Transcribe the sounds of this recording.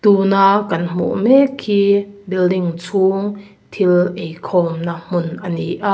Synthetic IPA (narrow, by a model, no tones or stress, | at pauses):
t̪uːnaːkɐnm̥ṵʔmɛkʰːiːbildiŋt͡sʰuːŋ | t̪ʰilʔejkʰɔːmnam̥ʊnʔɐniʔaʔ